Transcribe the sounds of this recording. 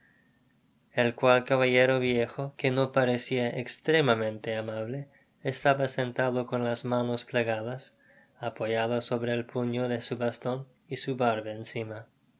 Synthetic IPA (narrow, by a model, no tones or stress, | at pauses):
elkwalkaβaʎeɾoβjexokeno̞paɾesiaʔekst̪ɾemamẽ̞nt̪e̞amaβleː | st̪aβasent̪aðo̞ko̞nlazmano̞spleɣaðas | apoʝaðoso̞βɾeːlpuɲo̞ðesuβast̪o̞n | isuβaɾβeːnsima